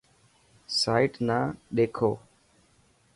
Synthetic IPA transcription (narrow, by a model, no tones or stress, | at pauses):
saːɪʈnãːɗeːkʰoː